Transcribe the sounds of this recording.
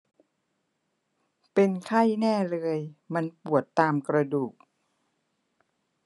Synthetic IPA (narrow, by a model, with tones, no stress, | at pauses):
pe˧nkʰa˥˩jnɛː˥˩lɤː˧jma˧npu˨˩ət̪ːaː˧mkɾa˧duː˨˩k̚